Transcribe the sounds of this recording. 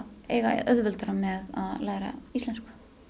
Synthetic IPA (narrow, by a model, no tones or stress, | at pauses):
ḛːjɣaœðvʏlt̪aɾamɛða̰ðlaːjɾa̰ist̪ɛnskḁ